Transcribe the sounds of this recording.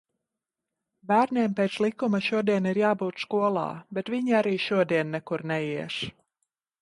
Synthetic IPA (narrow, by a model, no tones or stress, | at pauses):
bæːɾneɛːmpeːt̪slˠikumaʃuɔd̪iɛniɾjaːbuːt̪skuɔlˠɑ̰ːbɛt̪viɲiaɾiːʃuɔd̪iɛnːɛkuɾnɛjiɛʃ